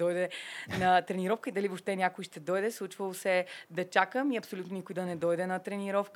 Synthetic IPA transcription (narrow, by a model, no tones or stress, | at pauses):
ɔjd̪ɛnɐt̪ɾɛniɾɔfkəid̪ɐlivopʃt̪ɛnʲakoiʃt̪ɛd̪ɔjd̪ɛslˠut͡ʃvəlˠosɛd̪ɐt͡ʃakəmiɐpsolʲut̪nonikʊid̪ɐnɛd̪ɔjd̪ɛnɐt̪ɾɛniɾɔfk